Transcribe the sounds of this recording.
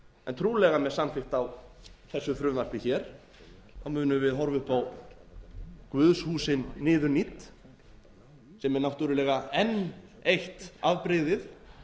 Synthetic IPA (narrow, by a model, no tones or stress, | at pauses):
ɛ̰nt̪ʰɾuːlɛɣamɛðsamfɪxt̪awθɛsːʏθɾʏmvar̥pɪçɛɾ̥ | awmʏːnʏvɪðɦɔɾvʏhpaw | kvʏðshuːsɪnːɪːðʏnit̪ | sɛmɛɾnawht̪ʏɾʏlɛːɣaɛn | ejht̪avpɾɪðɪð